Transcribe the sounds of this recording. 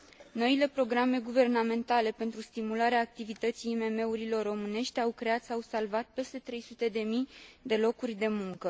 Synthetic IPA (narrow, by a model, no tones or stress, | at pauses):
no̞ile̞pɾo̞ɡɾame̞ɡuve̞rname̞nt̪ale̞pe̞nt̪ɾust̪imulaɾeaːk̚t̪ivit̪ət̪sijːme̞me̞uɾilo̞rːo̞mɨne̞ʃt̪ʲawkɾe̞at̪sawsalvat̪̚pe̞st̪e̞t̪ɾe̞jsut̪e̞d̪e̞mijd̪e̞lo̞kurʲd̪e̞muŋkə